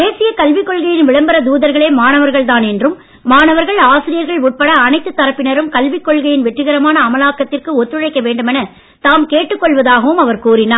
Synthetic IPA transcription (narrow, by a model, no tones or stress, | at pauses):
d̪eːsɪjɐkɐlʋɪkːɔɭɣɐjɪnʋɪɭɐmbɐɾɐd̪uːðɐɾɣɐɭeːmaːnɐʋɐɾɣɐɭt̪aːnɛndrɯmː | aːɳɐʋɐɾɣɐɭaːsɪɾɪjɐɾɣɐɭʊʈ̚pɐɽɐːnɐɪt̪ːɯt̪ːɐɾɐpːɪnɐɾɯmkɐlʋɪkːɔɭɣɐjɪnʋɛʈrɯɣɐɾɐmaːnɐːmɐlaːkːɐt̪ːɪrkɯɔt̪ːɯɻɐɪkːɐʋeːɳɖɯmɛnɐ | t̪aːmkeːʈːɯkːɔɭʋɐðaːɣɐʋɯmɐʋɐɾkuːɾɪnaː